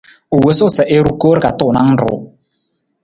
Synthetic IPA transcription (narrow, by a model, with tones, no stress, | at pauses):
o˨we˨˦sʊ˦sɛ˨ʔe˦ɾu˦ko˦ɾka˨tʊ˦˨na˦n̩˦ɾʊ̰˦